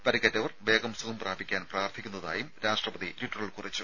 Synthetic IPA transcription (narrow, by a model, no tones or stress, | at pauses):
pɐɾɐkːɐtːɐʋɐrʋe̞ːɡɐmsuɣɐmpraːbʱikʲːaːnpraːrt̪ʰikʲːunːɐða̰ːjumɾaːʂʈrɐpɐðitiʈːɐriɭkurit͡ɕːu